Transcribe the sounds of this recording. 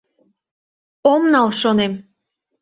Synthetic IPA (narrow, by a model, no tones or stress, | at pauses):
omnɑlʃonem